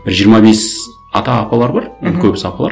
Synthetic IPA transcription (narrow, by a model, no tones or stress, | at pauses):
b̥ɪɾʒijəɾmɑbe̞s | ɑ̰t̪ɑːpɑlˠɑɾbɑɾnkʰʲɵbɪsɑpɑlˠɑ̰ɾ